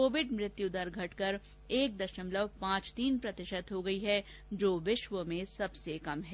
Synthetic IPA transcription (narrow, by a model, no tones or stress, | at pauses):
koːʋɪɖmɾɪt̪jud̪əɾɡʱɐʈkɐɾ | eːk̚d̪ɐʃəmləʋpãːt͡ʃt̪iːnpɾɐt̪ɪʃət̪ɦoɡɐiɦɛ | d͡ʒoːʋɪʃʋəmẽsɐbsekɐmɦɛː